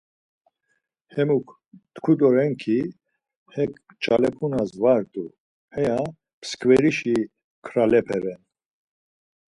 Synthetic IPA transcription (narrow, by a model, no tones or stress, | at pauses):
hɛmukʰ | t̪kʰud̪ɔɾɛŋkʰi | hɛk | t͡ʃʼalɛpʰunazvaɾt̪ʼu | hɛja | pʰskʼvɛɾiʃi | kʰɾalɛpʰɛvɛn